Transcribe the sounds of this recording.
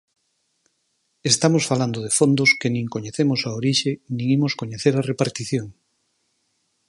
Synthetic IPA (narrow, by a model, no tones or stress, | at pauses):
est̪amosfaland̪oðefond̪oskenĩŋkoɲeθemosaoɾiʃenĩŋimoskoɲeθeɾarepaɾt̪iθjoŋ